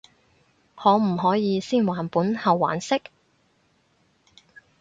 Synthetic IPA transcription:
hɔː˨˧˥m̩˨˩ɦɔː˨˥jiː˨˧siː˥nwaː˨˩npuː˨˥nhɐ˨wːa̰ː˨˥nsɪ˥k̚

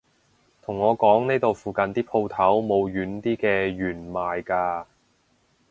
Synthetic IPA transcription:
t̪ʰʊ˨˩ŋːɔː˨˧kɔː˨˥ŋne˥jt̪o˨wfuː˨kɐ˨nt̪iː˥pʰo˧wt̪ʰɐ˨˥wmo˨˧wjyː˨˥nt̪iː˥kɛː˧jyː˨˩nmaː˨jkaː˧

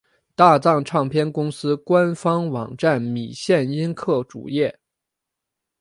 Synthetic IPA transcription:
t̪a˥˧t͡sɑ˥˧ŋʈ͡ʂʰɑ˥˩ŋpʰjɛ˥nkʊ˥ŋsɹ̩˥kwa˥nfɑ˥ŋwɑ˨˩ŋʈ͡ʂa˥˩nmi˨˩ɕjɛ˥˩ni˥nkʰɤ˥˩ʈ͡ʂṵ˨˩jɛ˥˩

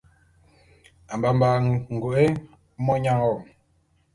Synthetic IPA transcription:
a˨mba˨mba˨ŋ̩˨ɡo˨e˦ | mɔ˦ɲa˦ŋɔ˦˨m

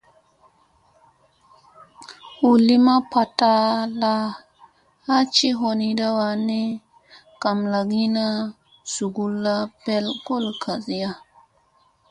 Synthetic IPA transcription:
u˨li˦ma˦pa˨ta˦la˦ | a˦t͡ʃi˦ɦo˨ni˨da˦wa˨ni˦ | ka˨mla˨ɡi˦na˦ | su˨ɡu˨lːa˦be˦lko˦lkʰa˨zi˨ja˦

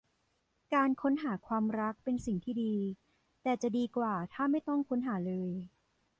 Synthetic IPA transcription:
kaː˧nkʰo˦˥nɦaː˩˦kʰwaː˧mɾa˦˥k̚pe˧nsi˨˩ŋt̪ʰiː˥˩diː˧ | t̪ɛː˨˩t͡ɕa˨˩diː˧kwaː˨˩t̪ʰaː˥˩ma˥˩jt̪ɔ˥˩ŋkʰo˦˥nɦaː˩˦lɤː˧j

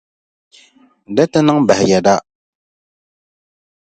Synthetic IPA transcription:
dɛ˦tɨ˦nɨ˦ŋba˨ɪ˨jɛ˨da˦

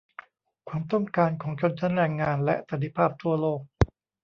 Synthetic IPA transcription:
kʰwaː˧mt̪ɔ˥˩ŋkaː˧nkʰɔː˩˦ŋt͡ɕʰo˧nt̪ʰa˧˩nɛː˨˧ŋːaː˧nlɛ˦˥ʔt̪ʰa˨˦ni˦˥pʰaː˥˩p̚t̪ʰu˥˩ɐloː˥˩k̚

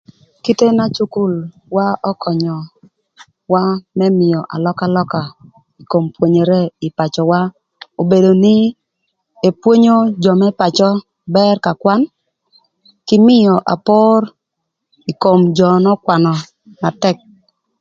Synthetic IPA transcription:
ki˦te˦na˦t͡ʃu˦ku˦˨l | wa˦ɔ˦kʰɔ˨ɲɔ˨ | wa˦mɛ˦mɪ˨jɔ˨ʔa̰˨lɔ˦ka˦lɔ˦ka˨ | i˨ko˨mpwo˨ɲe˨ɾe˦ɪ˨pa˨t͡ʃɔ˨wa˦ | o˨be˨do˨ni˦ | e˨pwo˦ɲo˦d͡ʒɔ˨mɛ˦pa˨t͡ʃɔ˦ | bɛ˦rka˨kwa˦n | kɪ˦mɪ˦jɔ˨ʔa˨pɔː˦r | i˨ko˨md͡ʒɔ˨nɔ˦kwa˨nɔ˨ | na˨tɛ˦k̚

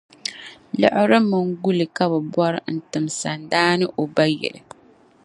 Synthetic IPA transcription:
lʊ˦˨ʔʊ˦ɾɨ˦mɨ˨ŋɡu˦lɨ˨ka˦bɨ˨bɔ˦ɾɨ˦n̩˦tɨ˨msa˨ndaː˦nɨ˦ʔo˨ba˦jɛ̰˨lɨ˨

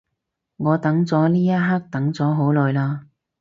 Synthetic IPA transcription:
ŋɔː˨˧t̪ɐ˨˥ŋt͡sɔː˨˥liː˥jɐ˥t̚ɦaː˥k̚t̪ɐ˨˥ŋt͡sɔː˨˥ɦo˨˥wlɵː˨˧jlaː˧

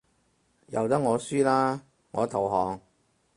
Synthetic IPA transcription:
jɐ˨˩wt̪ɐ˥k̚ŋɔː˨˧syː˥laː˥ | ŋɔː˨˧t̪ʰɐ˨˩wɦɔː˨ŋ

